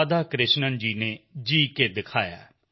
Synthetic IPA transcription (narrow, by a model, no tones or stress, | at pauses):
d̪aːkɾɪʃnənd͡ʒiːneːd͡ʒiːkeːd̪ɪkʰaːja̰ː